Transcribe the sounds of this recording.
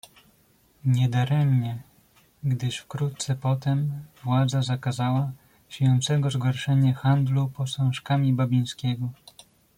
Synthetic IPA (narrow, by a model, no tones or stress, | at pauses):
ɲɛd̪aɾɛmɲɛ | ɡd̪ɘʂfkɾut̪̚t̪sɛpɔt̪ɛmvwad̪zazakazawa | ɕejɔnt̪sɛɡɔzɡɔɾʂɛɲɛxand̪lupɔsɔ̃w̃ʂkamʲibabʲij̃skʲɛɡɔ